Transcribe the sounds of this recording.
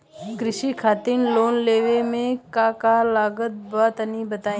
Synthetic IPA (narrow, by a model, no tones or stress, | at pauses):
kɾɪʃikʰaːt̪ɪnloːnleːʋemẽkakalaːɡət̪̚baːt̪ɐnibɐt̪aːĩ